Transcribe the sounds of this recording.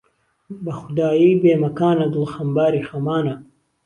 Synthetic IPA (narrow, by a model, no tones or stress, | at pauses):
bɐxud̪aːjiːbeːmɐkaːnɐɡlxɐmbaːɾixɐmaːnɐ